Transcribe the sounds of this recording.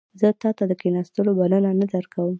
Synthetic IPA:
zət̪ɑt̪ad̪əkenɑst̪əlobalənanad̪aɾkawəm

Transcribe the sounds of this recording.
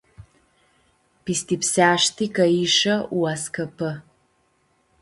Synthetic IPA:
pistʰipsaːʂtʰiːkɐiʂɐwaskʰɐpʰɨ

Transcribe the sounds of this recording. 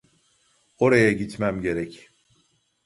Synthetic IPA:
o̞ɾajaɟit̪ʰmæmɟe̞ɾɛc

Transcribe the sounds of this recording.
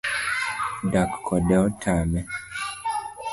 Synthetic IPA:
dakkʰːɔdɛɔtʰamɛ

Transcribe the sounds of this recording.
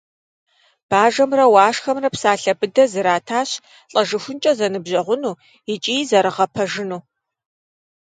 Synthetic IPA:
b̥aːʒɐmrɐwaːʂxɐmrɐpsaːɬɐbɨdɐzɨɾaːtʰaːɕ | ɬʼɐʒɨxʷʊnt͡ʃʼɐzɐnɨbʑɐʁʷʊnuː | ɪt͡ʃʼiːjzɐɾɨʁɐpʰɐʒɪnuː

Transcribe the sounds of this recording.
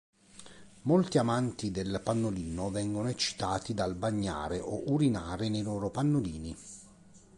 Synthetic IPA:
molt̪iamant̪id̪elpanːoliːnovɛŋɡonoet͡ʃːi̥t̪aːt̪id̪albaɲːa̰ːɾeʔɔʔuɾinaːɾɪnejloːɾopanːoliːni

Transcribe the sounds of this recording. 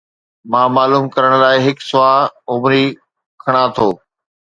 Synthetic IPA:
mãːmaːluːmkɐɾəɽ̃laːɪɦɪksʊaːʊmɾi | kʰɐɽ̃at̪ʰoː

